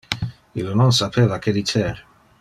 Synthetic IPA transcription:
ilnɔnsapʰeːvaked̪itɛɾ

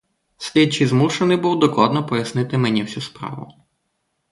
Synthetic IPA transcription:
sʲlʲid̚t͡ʃɪjzmuʃenɪjbuwd̪ɔklˠɑd̪nɔpɔjɐsnɪt̪ɪmenʲiwsʲuspɾɑ̰ʋʊ̰

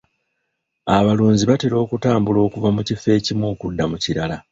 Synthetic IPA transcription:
aβaluːɲziβateɾo̞ːkutaːmbulo̞ːkuvamucife̞ːcimwoːkudːamuciɾala

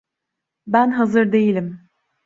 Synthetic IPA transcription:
bænɦazɯɾd̪e̞jilʲim

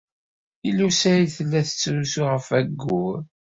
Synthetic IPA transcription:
ilusæjiθəlːæθə̥t͡sːɾusuʁəfæɡːu

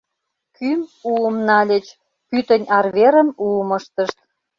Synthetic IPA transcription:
kymuəmnɑlʲət͡ɕ | pyt̪ənʲɑrβeɾə̆muməʃt̪əʃt̪̚

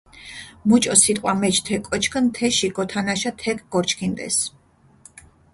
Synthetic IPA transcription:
mut͡ʃʼɔsit̪ʼqʼwamɛt͡ʃʰt̪ʰɛkʼɔt͡ʃʰkʰnt̪ʰɛʃiɡɔt̪ʰanaʃat̪ʰɛkʰʼɡɔɾt͡ʃʰkʰind̪ʼɛ̰s

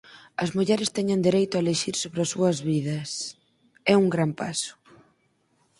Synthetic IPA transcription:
ɐzmuʎɛɾɪst̪ɛɲɐnd̪iɾejt̪ʊaeleʃiɾsoβɾɪɐsuɐzβið̞ɐs | ɛuŋɡɾampasʊ̥

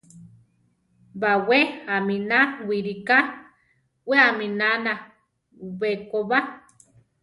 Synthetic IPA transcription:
baweaminawiɾika | weaminana | βekoβa

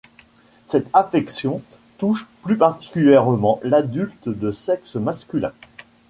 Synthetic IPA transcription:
sɛt̪afɛksjɔ̃ | t̪uʃplypaʁt̪i̥kʲyljɛʁmɑ̃lad̪ylt̪d̪əsɛksmaskʲylɛ̰̃

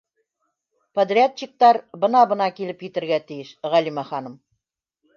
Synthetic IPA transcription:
pɐd̪rʲiatʲːik̚t̪ɑɾbɤ̆nɑbɤ̆nɑkilɘpjɘ̆t̪ɘ̆ɾɡæt̪ĭjɘʃʁælimæχɑnɤ̆m

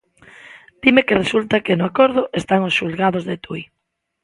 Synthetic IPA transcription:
d̪̥imekeresult̪akenʊakoɾð̞ʊʔest̪aŋosʃulɣaðʊzðet̪uj

